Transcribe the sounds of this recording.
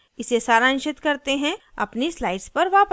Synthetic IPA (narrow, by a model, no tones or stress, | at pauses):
ɪsesaːɾãnʃɪt̪kɐɾt̪eɦɛ̃ɐ̰pnislaːɪɖspɐɾʋaːp